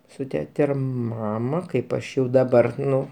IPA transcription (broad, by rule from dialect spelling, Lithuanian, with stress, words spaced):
sʊ ˈtʲæːtʲɛ ɪr ˈmɑːmɐ ˈkɐɪp ˈɐʃ jɛʊ dɐˈbɐr ˈnʊ